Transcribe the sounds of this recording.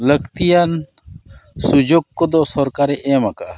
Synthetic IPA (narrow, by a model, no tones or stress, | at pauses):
ləkt̪ijan | sud͡ʒoɡ̚kɔd̪ɔsɔɾkaɾɛʔɛmakaʔa